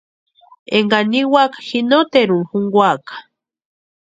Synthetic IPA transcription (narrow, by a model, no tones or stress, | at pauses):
eŋɡaniwakhinot̪eɾuxuŋɡwakḁ